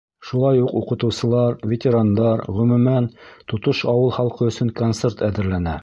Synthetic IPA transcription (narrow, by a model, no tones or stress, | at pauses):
ʃulˠɑjuquqɤ̆t̪ɤ̆wsɤ̆lˠɑɾvʲet̪ʲeɾand̪ɑɾʁɵ̆mʉ̆mænt̪ŏt̪oʃɑwɤlˠχɑlˠqɤɵ̆sɵŋkont̪seɾt̪æðɘ̆ɾlænæ